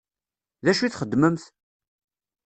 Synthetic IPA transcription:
ðæʃuiθχəd̪ːməmθ

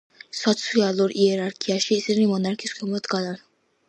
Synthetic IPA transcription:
sɔt̪sʰialˠuɾʔiɛɾaɾkʰiaʃiːsinimɔnaɾkʰiskʰɔmɔd̪ɡad̪an

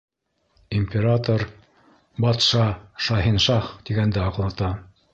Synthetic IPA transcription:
imʲpʲeɾat̪oɾ | bɑt̪ʃɑʃɑɦinʃɑχt̪iɡænd̪ɘɑqlˠɑt̪ɑ

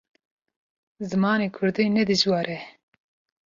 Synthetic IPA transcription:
zɨmɑːneːkʰʊɾd̪iːnɛd̪ɨʒwɑːɾʔɛ

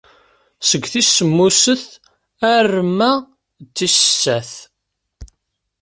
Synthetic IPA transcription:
səɡʷːθisːəmːusəθ | ærːmːæ | t͡sːisə̥sːæθ

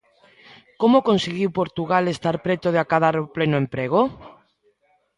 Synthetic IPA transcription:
komokonseɣiwpoɾt̪uɣalest̪aɾpɾet̪oðeakaðaɾoplenoempɾeɣ̞o

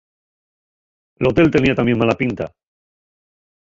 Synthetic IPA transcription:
elo̞t̪e̞lt̪e̞niat̪amje̞ŋmalapint̪a̰

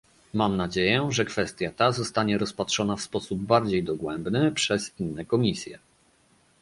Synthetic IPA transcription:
mamnad͡ʑejɛʐɛkfɛst̪ʲjat̪azɔst̪aɲɛɾɔspatʂɔnafspɔsubːaɾd͡ʑejd̪ɔɡwɛmbnɘpʂɛzinːɛkɔmʲisʲjɛ

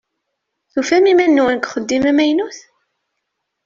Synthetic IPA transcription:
θufæmimænːuwənkʷχəd̪ːimæmæjnuθ

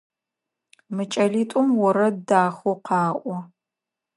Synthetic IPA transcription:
mɨt͡ʃʼɐɮiːtʷʼʊmwɔɾɐdaːxʊqɑːʔʷɔ

